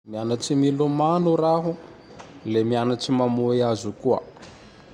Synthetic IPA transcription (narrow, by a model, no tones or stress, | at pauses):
mianaʈ͡ʂimilumanuɾaɦu | lemianaʈ͡ʂimamuiazukuə̰